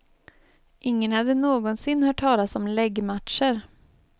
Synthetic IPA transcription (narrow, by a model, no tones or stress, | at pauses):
ʔɪŋːənhad̪ːənoːɡɔnsɪnːhœːʈʰːɑːlasɔmlɛɡmat̪ʂəɾ